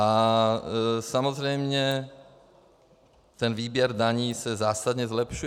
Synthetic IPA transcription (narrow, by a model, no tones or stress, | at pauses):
ʔa | samozrɛjmɲɛ | t̪ɛnviːbjɛɾdaɲiːsɛzaːsad̪ɲɛzlɛpʃu